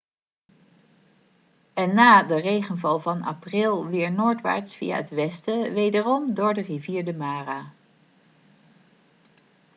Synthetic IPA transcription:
ɛnːaːdərejχənvɑlˠvɑna̰prɪlˠʋɪːɹnoːɹtʋa̰ːɹtsfḭja̰ətʋɛstəʋejdərɔmdʊːɹdəriviːɹdəmaːraː

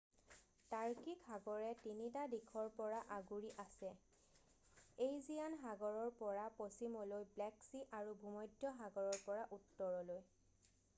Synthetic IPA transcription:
taɹkikɦaɡɔɹɛtinitadikʰɔɹpɔɹaʔaɡuɹiʔasɛ | ejzianɦaɡɔɹɔɹpɔɹaposimɔlojblɛksiʔaɹubʱumɔjdjɔɦaɡɔɹɔɹpɔɹaʔutːɔɹɔloj

